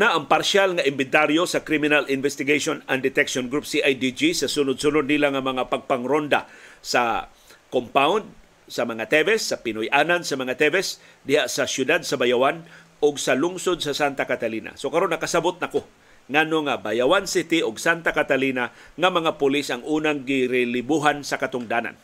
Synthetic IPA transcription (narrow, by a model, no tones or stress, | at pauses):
naʔɐŋpaɾʃalŋaʔɪmbɪnt̪aɾjosɐkɾimɪnalʔɪnvɛst̪ɪɡeʃonand̪ɪt̪ɛkʃonɡɾupsiʔajd̪id͡ʒisɐsʊnʊd̪̚sʊnʊd̪̚nilaŋɐmɐŋapaɡ̚paŋɾond̪a̰sa | kompawnd̪̚ | sɐmɐŋat̪ɛvɛsːɐpɪnʊjʔaːnansɐmɐŋat̪ɛvɛs | d̪ɪhaʔsɐsjʊd̪ad̪̚sɐbajawan | ʊɡsɐlʊŋsod̪̚sɐsant̪akat̪aliːna̰sokɐɾonːɐkasabot̪̚nɐko | ŋanoŋabajawansɪt̪ɪʔʊɡsant̪akat̪alinaŋɐmɐŋapʊlɪsʔɐŋʔuːnaŋɡɪɾɪlɪbuɦansɐkɐt̪ʊŋd̪aːna̰n